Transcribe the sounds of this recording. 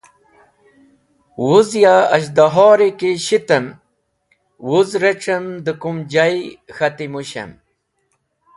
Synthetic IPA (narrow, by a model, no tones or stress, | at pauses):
wuzjaɐ̰ɕ̬d̪aɦɔːɾekeɕit̪əm | wuzɾeʈ͡ʂɐmd̪əkumd͡ʑajxɐt̪imuɕɐ̰m